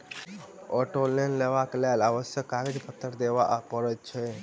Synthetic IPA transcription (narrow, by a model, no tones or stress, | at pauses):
ɔʈolenleʋaklalaʋəsjəkːaɾed͡ʒpʰət̪ːəɾd̪ebaʔpəɾɛt̪̚t͡ʃʰɛ